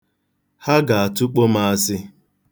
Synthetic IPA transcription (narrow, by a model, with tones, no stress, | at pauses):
ha˦ɡa˨a˨tʊ˦k͡po˦ma˦a˦sɪ˦